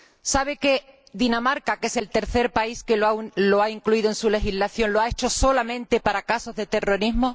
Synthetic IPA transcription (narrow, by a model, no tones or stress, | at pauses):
saβ̞e̞ke̞ | ðinamaɾkake̞se̞lt̪e̞ɾθe̞ɾpaiskelo̞aiŋkluiðoensule̞xizlaθjo̞nloae̞t͡ʃo̞so̞lamẽ̞nt̪e̞paɾakaso̞zðe̞t̪e̞ro̞ɾiɦmo